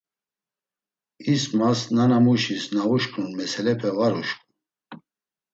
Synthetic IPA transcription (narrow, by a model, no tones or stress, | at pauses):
ismasnanamuʃisnauʃkʼnunmɛsʰɛlɛpʰɛvaɾuʃkʼu̥